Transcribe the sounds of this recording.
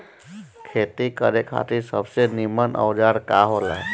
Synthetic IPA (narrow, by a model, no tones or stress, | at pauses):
kʰet̪ikəɾekʰa̰t̪isəbsenimənʔə̰wd͡ʒaɽkaɦola̰